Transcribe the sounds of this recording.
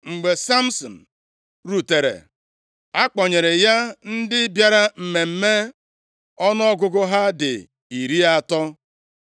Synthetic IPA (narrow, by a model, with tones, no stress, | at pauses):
ŋ͡m̩˨ɡ͡be˨sa˦m̩˦sɔ̰˨n̩˨ | ɾu˨te˨ɾḛ˨ | a˦k͡pɔ˨ɲe˨ɾe˨ja˦n̩˦dɪ˦bja˦ɾa˦m̩˨me˨m̩˦me˦ | ɔ˦nɔ˦ɔ˦ɡʊ˦ɡʊ˦ɦa˦dɪ̰˨ | i˨ɾi˦a˦˨tɔ˦